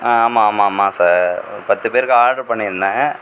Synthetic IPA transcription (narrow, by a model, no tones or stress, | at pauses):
ãaːmaːmaːmːaːsaːɾpɐt̪ːɯpeːɾɯkːɯaːɖɐɾpɐɳːɪɾɯnd̪ã